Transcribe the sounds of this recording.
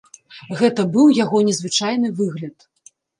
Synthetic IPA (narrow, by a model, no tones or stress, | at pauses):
ɣɛt̪ɐbɨwjaɣɔnʲɛzvɨt͡ʂajn̪ɨvɨɣlʲɐt̪